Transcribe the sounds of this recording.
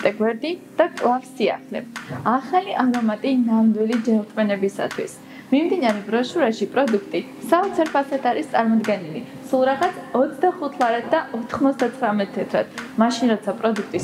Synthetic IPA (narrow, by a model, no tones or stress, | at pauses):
t̪ʼɛɡwɛɾd̪id̪̥akʼlˠafsia̰χlɛ̰aχaliʔaɾɔmat̪ʼinamd̪wilid͡ʒɛlt̪ʼvʼɛnɛbisa̰t̪ʰwḭs | mimd̪inaɾɛbɾɔʃuɾaʃipʼɾɔd̪ukʰt̪ʼi | saɔt̪sʰɛɾpʰasat̪ʰaɾist̪sʼaɾmɔd̪ɡɛnili | sulˠɾaʁat̪ʰɔt̪sʰd̪aχut̪ʰlˠaɾad̪̚d̪aʔɔt̪ʰχmɔt̪sʰd̪at̪sχɾamɛt̪̚t̪ʰɛt̪ʰɾa̰d̪̥maʃinɾɔt̪sʰapʼɾɔd̪ukʰt̪ʼis